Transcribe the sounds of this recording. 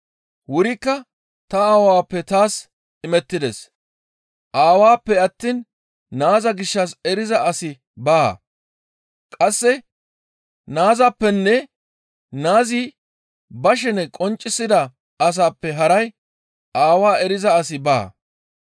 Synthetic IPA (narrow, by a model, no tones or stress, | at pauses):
wʊɾɪkːɐ | t̪ɐaːwaːpːɛt̪aːs | ɪmɛt̪ːɪd̪ɛs | ʔaːwaːpːɛɐt̪ːiːn | naːzɐɡɪʃːɐsɛɾɪzɐʔɐsɪ | baː | kʼɐsːɛ | naːzapːɛnːɛ | naːzi | bɐʃ̬ɛnɛkʼɔnt͡ʃʼːɪsːɪd̪ɐ | ɐs̬aːpːɛɦɐɾɐj | ʔaːwaːɛɾɪzɐɐsɪba̰ː